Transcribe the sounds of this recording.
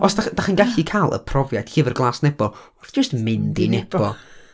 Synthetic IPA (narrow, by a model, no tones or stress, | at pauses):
ɔsd̥aχd̥aχənɡaɬikʰalˠə̰pʰrɔvjajd̥ɬivərɡlˠaːsnɛbɔɔrθd͡ʒ̥əstmɪndḭnɛbɔ